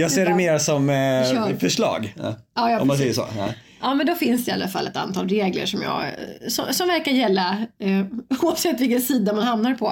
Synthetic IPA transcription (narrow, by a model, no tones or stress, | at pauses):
jɑːɡseːɖɛmeːɾasɔm | fœʂlɑ̰ːɡ | ɑːjɑːɔmmansɛjːəso̰ː | ʔɑːmɛnd̪ɔfɪnsɪalːa̰fa̰lːʔɛ̰t̪a̰nt̪ʰɑːlɾeːɡlə̰ʂɔmjɑ̰ːɡsɔsɔmvæɾkaɾjɛlːa | uːavsɛt̪ːvɪlkɛnsiːd̪amanhamnaɾpʰɔ